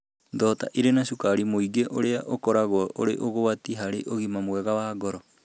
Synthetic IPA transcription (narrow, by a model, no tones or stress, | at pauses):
dɔːta̰ʔiɾenaʃukaɾimoiɡeʔoɾeaʔokɔɾaɣwɔʔo̰ɾḛʔoɣowatiɦaɾeʔoɣimamwɛɣawaːɡɔɾɔ